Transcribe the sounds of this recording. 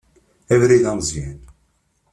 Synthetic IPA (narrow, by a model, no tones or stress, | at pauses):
ævɾiðæmzˤjæn